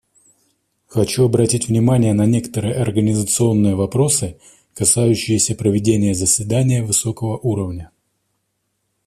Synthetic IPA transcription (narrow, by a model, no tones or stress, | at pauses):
xɐt͡ɕuɐbɾɐtʲitʲvnʲɪmanʲɪjənɐnʲe̞kə̥t̪əɾɨjəɐrɡənʲɪzət̪sɨo̞nːɨjəvɐpɾo̞sɨ | kɐsajʉɕːɪjɪsʲəpɾəvʲɪdʲenʲɪjəzəsʲvʲɪd̪anʲɪjəvɨso̞kəvəʔuɾəvnʲə